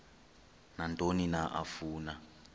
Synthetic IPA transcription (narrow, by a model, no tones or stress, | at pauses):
nantʼoninaʔa̰fuːna